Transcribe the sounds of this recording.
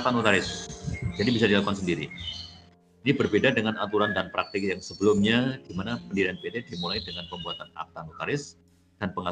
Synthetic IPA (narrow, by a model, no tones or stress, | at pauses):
t̪anut̪aɾɪsd͡ʒadibisadilakukansəndiɾi | inibərbedadəŋanat̪uɾandanpɾak̚t̪ɪk̚jaŋsəbəlʊmɲadimanapəndidianpet̪edimulajdəŋanpəmbuat̪ana̰k̚t̪anot̪aɾɪs | d̥anpəŋa